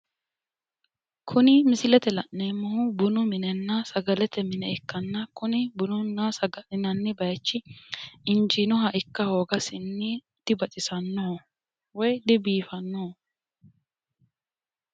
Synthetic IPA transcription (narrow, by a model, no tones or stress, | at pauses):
kʰʊnɪmɪsɪlɛt̪ɛlɐʔneːmːɐhʊbʊnʊmɪnɛnːɐsɐɡɐlɛt̪ɛmɪnɛɪkːɐnːɐkʊnɪbʊnʊnːasɐɡɐʔɪnɐnːɪbɐjt͡ʃːɪɪnd͡ʒɪnɔɦɐʔɪkːɐhoːɡɐsɪnːɪ | d̪̥ɪbɐt͡ʃʼɪsɐnːɔɔ | wɔjd̪ɪbiːfɐnːoː